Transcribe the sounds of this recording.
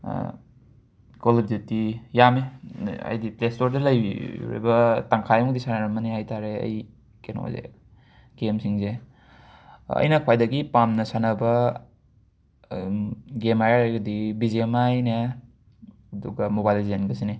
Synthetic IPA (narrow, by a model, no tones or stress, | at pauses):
kolib̚zetːijameɐ̰jdiplestoɾdɐlɐjɾḛbɐtaŋkʰajmɔdisanaɾɐmɐniɦajtʰaɾeɐ̰j | keno̰zḛ | ɡemsiŋze | ɐ̰jnɐkʰpajdɐɡipamnɐsanɐbɐ | ɡemajaɾajɡɐdibizemajne | duɡɐmobajlzenɡɐsine